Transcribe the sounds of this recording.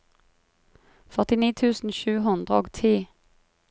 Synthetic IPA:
fœʁt̪ɪniːt̪ʰʉːsn̩ʃʉːɦʊnd̪ʁəoːɡt̪ʰiː

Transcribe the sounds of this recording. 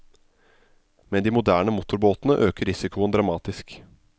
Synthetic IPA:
mɛnd̪iːmʊd̪æːɳəmʊt̪ʊɾboːt̪nəʔøːkəɾɪsɪkʊənd̪ɾɑmɑːt̪ɪsk

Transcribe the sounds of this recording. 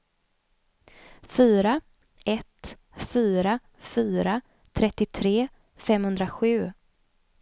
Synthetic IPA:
fyːɾa | ɛt̪ | fyːɾa | fyːɾa | t̪ʰɾɛt̪ːɪt̪ʰɾeː | fɛmhɵnd̪ɾaɧʉ̟ː

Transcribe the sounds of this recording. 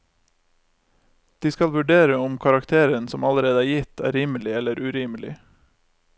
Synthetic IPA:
d̪̥iːskɑlʋʉɖeːɾəʊmkʰɑɾɑkt̪ʰeːɾənsɔmɑləɾeːd̪əæːɾjɪt̪ʰæ̰ːɾiːməlɪɛləɾʔʉɾiːməlɪ̰

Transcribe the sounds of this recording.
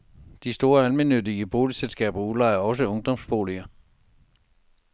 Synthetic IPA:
d̥isd̥o̝ːɐælmenød̥iəb̥o̝ːliselsɡ̥ɛ̰ːb̥ɐulɑ̈ɪɐɒ̽səɔ̽ŋd̥ɒ̽msb̥o̝̰ːliɐ

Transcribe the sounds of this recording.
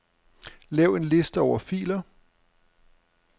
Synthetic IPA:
lɛʊe̝nle̝sd̥əɒʊɐfḭːlɐ

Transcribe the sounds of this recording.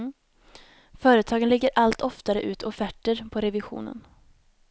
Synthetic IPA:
fœːɾət̪ʰɑːɡənlɪɡːəɾʔalt̪ʰɔft̪aɾəʔʉ̟ːt̪ʰɔfæʈːəɾpʰɔɾɛvɪɧṵːnə̰n

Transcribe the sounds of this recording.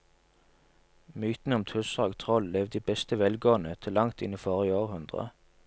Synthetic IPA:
myːt̪n̩əɔmt̪ʰʉsɑːɡt̪ʰʁɔlleːʋd̪iːbɛst̪əʋɛlɡoːnət̪ʰɪlɑŋt̪ɪniːfoːʁəoːʁhʉnd̪ʁə̰

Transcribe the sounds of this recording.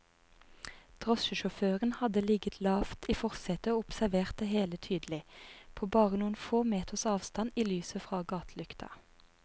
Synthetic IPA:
t̪ʰʁɔʃəʃʊføːʁənhɑd̪əlɪɡət̪ʰlɑːft̪iːfɔʁsɛt̪əoːʊpsæʋeːʁt̪̚d̪eheːlət̪ʰyːd̪lɪpʰoːbɑːʁənuːənfoːmeːt̪əʁsɑːʋst̪ɑniːlyːsəfʁɑːɡɑːt̪ʰlʉkt̪ʰɑ̰

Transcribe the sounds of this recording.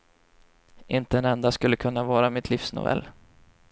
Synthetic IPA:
ʔɪnt̪əɛnɛnd̪askɵlːəkʰɵnːavɑːɾamɪt̪ʰliːfsnʊ̰vɛ̰lː

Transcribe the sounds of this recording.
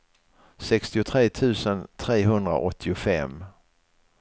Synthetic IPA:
sɛkst̪ɪʊt̪ʰɾeːt̪ʰʉ̟ːsənt̪ʰɾeːɦɵnd̪ɾa̰ʔɔt̪ʰːɪʊfɛ̰m

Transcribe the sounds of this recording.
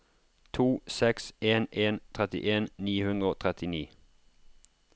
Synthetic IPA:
t̪ʰuːsɛkseːnʔeːnt̪ʰʁɛt̪ɪ̰ʔeːnniːhʉnd̪ʁəoːt̪ʰʁɛt̪ʰɪniː

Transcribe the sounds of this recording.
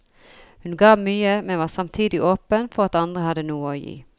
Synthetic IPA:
hʉnɡɑːmyːəmɛʋɑːsɑmt̪ʰiːd̪ɪʔoːpənfɔʁɑt̪ɑnd̪ʁəhɑd̪ənuːəoːjḭː

